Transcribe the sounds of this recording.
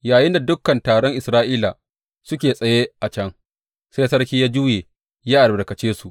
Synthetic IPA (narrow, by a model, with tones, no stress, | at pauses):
jaː˨jɪ˦nda˨dʊ˦kːɐ˨ntaː˨ɽɔ˦ŋʔɪ˨sɾaː˦ʔiː˦la̰˨ | sʊ˦kʲeː˨sʼɐ˨jeː˦ʔa˨t͡ʃɐ˦ŋ | se˦sɐ˦ɽkʲiː˦jaː˦d͡ʒuː˦jeː˨ | jaː˦ʔa˨ɾbɪ˨kɐ˨t͡ʃeː˦su˨ʔ